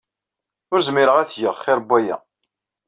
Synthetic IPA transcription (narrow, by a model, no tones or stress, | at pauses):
ʊɾzmɪɾəʁæθʝəʁχɪɾbːæjæ̰